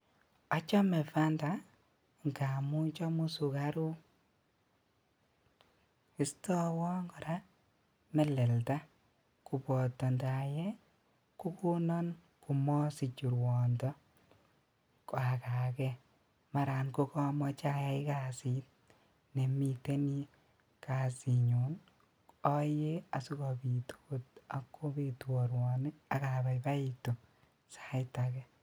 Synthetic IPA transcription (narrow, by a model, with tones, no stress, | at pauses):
ɔ˦t͡ʃɔ˦mɛ˨fa˦nda | ŋɡa˨mu˦t͡ʃɔ˦mu˦su˨ka˦ɾu˦ | ɪ˦stɔ˦wɔ˦ŋɡɔ˨ɾa | mɛ˨lɛ˨lta˦ | ku˨pɔ˨tːɔ˨nda˨jɛ˦ | ku˦ku˦nɔ˦n | ku˨mɔ˦si˨t͡ʃu˨ɾwɔ˨ndɔ˦ | ka˨kakɛ | ma˨ɾa˨nko˦kɔ˦mɔ˦t͡ʃa˦ja˦ɪ˦kasi˦t̚ | ne˨mi˨te˦ni˦ | ka˨siɲo˨n | ɔ˦je˦a˨su˦kɔ˨bi˨tʰo̥˦ota˨kːo˦be˨twɔ˨ɾwɔnɪ˦a˨kaba˨jba˦i˨to˨ | sḁɪtakɛ